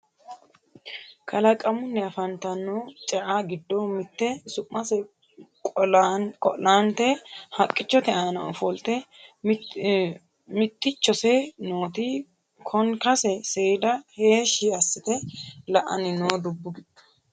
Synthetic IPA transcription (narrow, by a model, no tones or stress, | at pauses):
kʰɐlɐkʼɐmʊnːɛɐfɐnt̪ɐnːoːt͡ʃʼɛʔaːɡɪd̪ːoːmɪt̪ːɛsʊmːɐsɛ | kʼɔlnkʼɔ̰lːaːnt̪ehɐkʼːɪt͡ʃːɔt̪ɛʔaːnɐɔfɔlt̪ɛ | mɪt̪ːɪt͡ʃːɔsɛnoːt̪i | kʰɔŋkɐsɛseːd̪ɐhe̞ːʃɪɐsːɪt̪ɛlɐʔɐ̰nɪnoːd̪ʊbːʊɡɪdɐ̥